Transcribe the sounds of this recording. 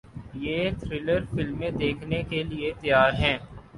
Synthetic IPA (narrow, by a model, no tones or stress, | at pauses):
jeːt̪ʰɾɪləɾfɪlmːẽd̪eːkʰnekeliet̪əjaːɾɦɛ̃ː